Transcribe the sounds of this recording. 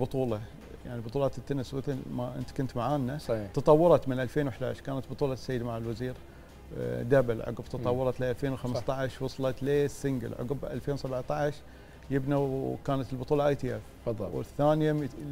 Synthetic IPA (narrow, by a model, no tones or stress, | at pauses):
bʊt̪ˤuːlɑ | ja̰ʕnibʊt̪ˤuːlɑːt̪t̪ːanswɪθlmaʔɪ̰nt̪kʊnt̪maʕaːnːat̪ɑt̪ˤɑwːɑɾˤɑt̪mɪnʔalfeːnwɪħd̪a̰ʕʃkaːnat̪bʊt̪ˤuːlɑ̥sːajːɪd̪maʕalwaziːɾ | d̪abɪlʕʊ̰ɡbt̪ɑt̪ˤɑwːɑɾˤɑt̪liʔalfeːnwxamst̪ˤɑʕʃwɑsˤɑlɑt̪leːsːɪŋɡɪ̰lʕʊ̰ɡbʔa̰lfeːnwsabʕt̪aʕʃ | jɪbnawkaːnat̪ɪlbʊt̪ˤuːlɑʔajt̪iːʔɛfˤ | wɪ̰θaːnɪja